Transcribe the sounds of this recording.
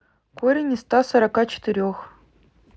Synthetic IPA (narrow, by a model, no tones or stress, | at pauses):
koɾʲɪnʲist̪ɑsoɾakɑt͡ɕɪ̥t̪ɨɾʲox